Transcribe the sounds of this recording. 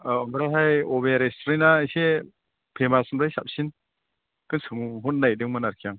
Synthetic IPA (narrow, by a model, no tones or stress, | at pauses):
ɔmɯɾaɦajɔbeɾestʰɾinase | pʰemasɯmɾajsap̚sin | kɯnsɯŋɦutːajdɯŋmɯnaɾkʰijaŋ